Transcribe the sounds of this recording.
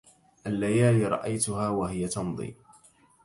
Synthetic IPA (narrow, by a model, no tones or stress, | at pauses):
ʔalːajaːlɾˤɑ̰ʔajt̪ʊhaːwaɦɪjat̪ɑnðˤḭː